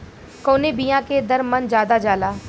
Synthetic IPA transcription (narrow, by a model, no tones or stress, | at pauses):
koːnebijãked̪əɾmənd͡ʒjaːd̪ad͡ʒaːlaː